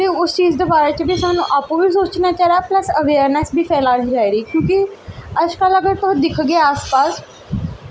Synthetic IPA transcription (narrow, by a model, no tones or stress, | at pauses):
t̪eːʊst͡ʃiːzd̪eːbaːɾeːt͡ʃəbiːsaːnũːʔaːpũːʋiːsoːt͡ʃnaːt͡ʃaːɾaːpləsəʋeːɾnɛsbʱiːpʰɛːlaːɦiːd͡ʒaːiɾiːkjõːkiəd͡ʒkələɡəɾt̪ʊd̪ɪkʰɡeːaːspaːs